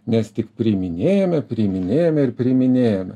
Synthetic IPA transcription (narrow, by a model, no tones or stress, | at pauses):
nʲɛst̪ʲɪkpʲɾʲɪmʲɪnʲeːjɛmʲɛpʲɾʲɪmʲɪnʲeːjɛmʲɛɪɾpʲɾʲɪmʲɪnʲeːjɛmʲɛ